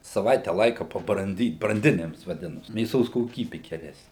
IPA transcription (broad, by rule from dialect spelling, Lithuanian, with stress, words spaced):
sɐˈʋɐɪtʲɛ ˈlˠɐɪkɐ pɐbrɐnʲˈdʲiːt brɐnʲˈdʲɪnʲɪms ʋɐˈdʲɪnɐsʲɪ mʲeːˈsoːs koːˈkʲiːbʲɪ ɡʲɛˈrʲæːsʲnʲɪ